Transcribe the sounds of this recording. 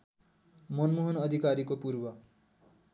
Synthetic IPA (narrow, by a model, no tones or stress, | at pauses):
mʌnmuɦʌnʌd̪ʱikaɾikopurbʌ